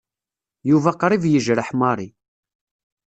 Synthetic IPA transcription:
juvæqɾˤivjəʒɾəħmɑɾˤi

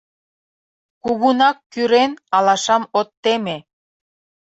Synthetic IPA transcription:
kuβunɑkːyɾenɑlɑʃɑmot̪ːeme

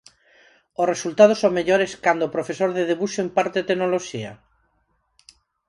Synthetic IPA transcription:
osresult̪að̞osõŋmeʎoɾeskand̪oːpɾofesoɾðeðeβuʃoempaɾt̪et̪enoloʃia̰

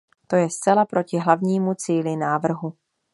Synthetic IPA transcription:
t̪o̞jɛst͡sɛlapɾʔo̞cɪɦlavɲiːmut͡siːlɪnaːvr̩ɦu

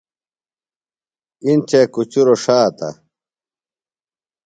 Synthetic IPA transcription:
int͡ɕekut͡ɕuɾoʂaːt̪a̰

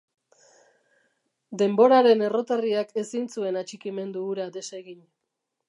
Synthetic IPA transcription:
d̪e̞mbo̞ɾaɾe̞ne̞ro̞t̪ariake̞sint͡sue̞nat͡ʃikime̞nd̪uːɾad̪e̞se̞ɣiɲ

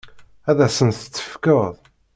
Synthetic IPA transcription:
æðæsənt̪ə̥t͡sːə̥fkəðˤ

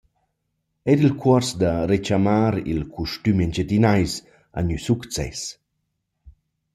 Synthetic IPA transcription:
ɛdilkʰwɔɾsd̪aɾet͡ʃamaːɾḭlkʰuʃt̪ymɛnd͡ʒet̪inajs | a̰ɲysukt͡sɛ̰s

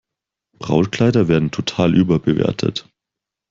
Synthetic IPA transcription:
b̥ʁa̰ʊnkl̥aɪdɐveːɐdn̩tʰotʰaːlʔyːbɐbəvḛːɐtʰə̰t

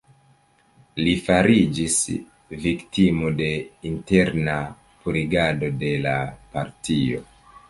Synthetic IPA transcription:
lifaɾid͡ʒis | viktimode̞inte̞ɾna | puɾiɡado̞de̞lapaɾtio̞̰

